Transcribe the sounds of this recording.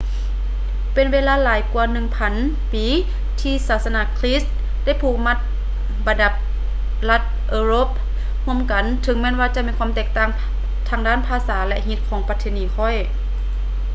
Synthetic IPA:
pe˨nweː˧˥laː˧˨laː˨˩˦jku˧ɐnɯ˧˨ŋpʰa˨˦n | piː˨˦ | t̪ʰiː˧saː˨˧˩t̪̚sa˧na˧˨kʰliː˦˥st | da˥˩jpʰuː˧˩ma˧˥t̪̚ | ba˨nda˧˩p̚ | la˧t̪̚ | ʔɤː˧ɾoː˧˥˦p̚ | hu˧˥ə˨mka˨˦nt̪ʰɯ˧˦ŋmɛː˧˥˨nwaː˧t͡ɕa˧˨miː˧˥kʰa˧˥˨mt̪ɛː˧˩k̚t̪aː˧˩ŋ | t̪ʰaː˧˥ŋdaː˥˨npʰaː˧saː˩˦lɛ˧ɦi˧˥t̪̚kʰɔː˨˦ŋpa˧t̪ʰːeː˧˨niː˨˦kʰɔ˧˩j

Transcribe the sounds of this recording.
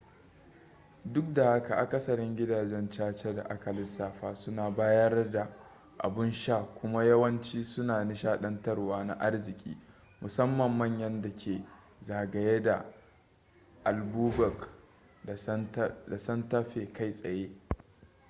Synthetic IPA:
dʊ˦k̚da˨ha˦ka˨ʔa˨kɐ˦sɐ˨ɾɪ˦ŋɡʲɪ˦daː˨d͡ʒɛ˦nt͡ʃaː˦t͡ʃe˦da̰˨ʔa˦kɐ˨lɪ˦saː˨ɸaː˨sʊ˦naː˨baː˦jɐ˦rda˨ | ʔa̰˨bɪ˦nʃaː˦˨kʷʊ˦ma˦jɐ˦wɐ˦nt͡ʃiː˦sʊ˦naː˨nɪ˦ʃaː˦ɗɐ˦ntɐ˦rwaː˦na̰˦˨ʔa˦rzɪ˨kʲʼḭː˦ | mʊ˨sɐ˦mːɐ˨mːɐ˦˨ɲjɐ˦nda˨kʲʰeː˨ | zaː˨ɡɐ˨je˦da̰˨ | ʔa˨lbuː˦bɐ˨k | da˨sɐ˦nta˦ɸeː˨kʰa˦˨jsʼɐ˨jeː˦

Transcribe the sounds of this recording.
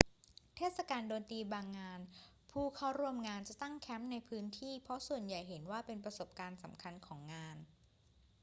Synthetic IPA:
t̪ʰeː˥˩t̪̚sa˧kaː˧ndoː˧nt̪iː˧baː˧ŋːaː˧n | pʰuː˥˩kʰa˥˩wɾuː˧əmŋaː˧nt͡ɕa˨˩t̪a˥˩ŋkʰɛ˦˥mna˧jpʰɯː˦˥nt̪ʰiː˥˩pʰɔ˦˥su˨˩ənja˨˩jɦe˩˦nwaː˥˩pe˧npɾa˧so˨˩p̚kaː˧nsa˩˦mkʰa˧nkʰɔː˩˦ŋːaː˧n

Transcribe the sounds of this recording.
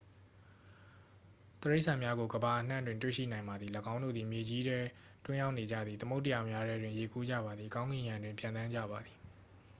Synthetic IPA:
t̪əɹe˦ɪʔsʰã˨mja˦ɡo˨ɡəba˨ʔən̥ã̰˦˨ndwɪ̃˨ntwḛ˦˨ʃḭ˦˨nã˨ɪ̃mba˨d̪ði˨ləɡã˦ʊ̃ndo̰˦˨d̪ði˨mje˨d͡ʑi˦dɛ˦ | twɪ̃˦ja˦ʊʔne˨d͡ʑa̰˦˨d̪ði˨t̪ə˦mo˦tːə˦ja˨mja˦dɛ˦dwɪ̃˨je˨kʰu˦d͡ʑa̰˦˨ba˨d̪ði˨kã˦ʊ̃ŋɡɪ̃˨jã˨ndwɪ̃˨mpjã˨nt̪ã˦ɲd͡ʑa̰˦˨ba˨d̪i˨

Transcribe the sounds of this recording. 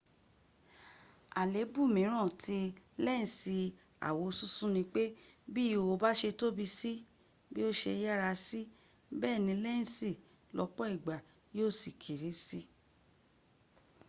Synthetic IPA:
a˨le˨˦bu˦˨mĩ˨˦ɾ̃ã˦˨tʰi˧lɛ˦nĩ˨si˧ | a̰˨wo˧su˦sũ˦nĩ˧k͡pe˦bi˦˨o˧ba˦ʃe˧to˦bi˧si˦ | bi˦o˦ʃe˧ja˦ɾa˧si˦ | bɛː˦˨nĩ˧lɛ˦ñ̩˨si˦˨ | lɔ˧k͡pɔ˦i˦˨ɡ͡ba˨ | joː˦˨si˨kʰe˨ɾi˨˦si˦

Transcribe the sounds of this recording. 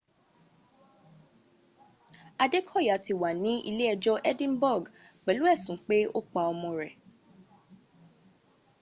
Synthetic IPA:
a˧de˦kʰɔ˦˨ja˨ti˨wa˨nĩ˨˦ḭ˧le˦ɛ˧d͡ʒɔ˦ʔɛ˦dĩ˦nbɔ˦˨ɡk͡pɛ˨˦lu˦ɛ˦˨sũ˨˦k͡pe˦o˦˨k͡pa˧ɔ˧mɔ̃˧ɾɛ˨

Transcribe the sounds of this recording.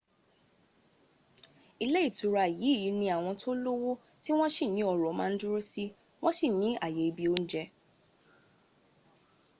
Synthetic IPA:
i˧le˦i˦˨tu˨ɾa˧˨ji˨˦i˦˨ji˨˦nĩ˧a˨w̃ɔ̃˧tʰo˦lo˦wo˦ | ti˦w̃ɔ̃˦si˦˨nĩ˦ɔ˧ɾɔ˨˦mã̰ː˧n̩˦du˦ɾo˦si˦ | w̃ɔ̃˦si˦˨nĩ˨˦a̰˦˨je˨i˧˨bi˧o˦n̩˦d͡ʒɛ˦

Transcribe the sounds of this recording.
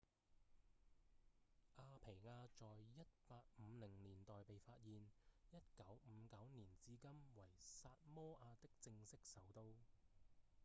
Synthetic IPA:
ʔaː˧pʰe˨˩jŋaː˧t͡ʃɔː˨jjɐ˥t̚paː˧k̚m̩˨˧lɪ˨˩ŋniː˨˩nt̪ɔː˨jpe˨jfaː˧t̚jiː˨njɐ˥t̚kɐ˨˥wm̩˨˧kɐ˨˥wniː˨˩nt͡siː˨˥kɐ˥mwɐ˨˩jsaː˧t̚mɔː˥ʔaː˧t̪ɪ˥k̚t͡sɪ˧ŋsɪ˥k̚sɐ˨˥wt̪o˥w

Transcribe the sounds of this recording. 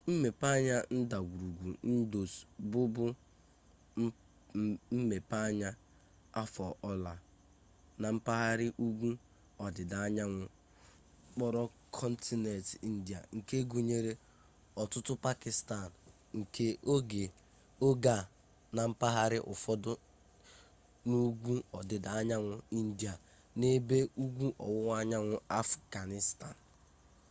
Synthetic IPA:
m̩˦me˨pa˦ɲa˦n̩˦da˨ɡʷu˨ɾu˨ɡʷu˨n̩˦do˨sbʊ˦bʊ˦ | m̩˦me˨pa˦ɲa˦ | a˦fɔ˨ʔɔ˦la˨ | na˨m̩˦pa˦ɦa˦ɾɪ˦ʔu˦ɡʷu˦ | ɔ˨dɪ˨da˨a˦ɲa˦ŋʷʊ˨˦ | k͡pɔ˦ɾɔ˦ | kʰɔ˦n̩˦ti˦ne˨tn̩˦di˨a̰˨ŋ̩˨ke˦ɡu˨ɲe˦ɾe˦ | ɔ˨tʊ˦tʊ˦pa˦kɪ˨sta˨n˨ | ŋ̩˨kʰe˦o˦ɡe˨ | o˦ɡa˨ | na˨m̩˦pa˦ɦa˦ɾɪ˦ʔʊ̰˨fɔ˦dʊ˦ | nu˦ɡʷu˦ɔ˨dɪ˨da˨a˦ɲa˦ŋʷʊ˨i˦n̩˦di˨a˨ | ne˦be˦u˦ɡʷu˦ʔɔ̰˨wʊ˦ŋʷ˦a˦ɲa˦ŋʷʊ˦a˦fɡa˨nɪ˦sta˨n̩˨

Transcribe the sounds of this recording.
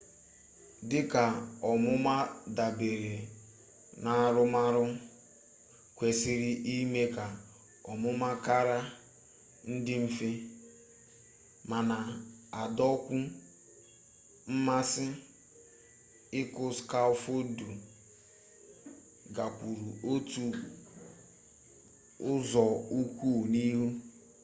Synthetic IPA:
dɪ˦ka˨ɔ˨mʊ˦ma˦da˨be˨ɾe˨ | na˦ɾʊ˦ma˦ɾʊ˦ | kʷe˨si˨ɾi˦ʔi˦me˦ka˨ | ɔ˨mʊ˦ma˦ka˦ɾa˦ | n̩˦dɪ˦m̩˦fi˦ | ma˨na˨a˨dɔ˦kʷʊ˦ | m̩˦ma˦sɪ˦ | ɪ˦kʊ˨ska˦ʊ˨fo˦du˨ | ɡa˨kʷu˨ɾu˨o˦tu˦ | ʊ˦zɔ˨u˦kʷu˦˨ni˦ɦu˦

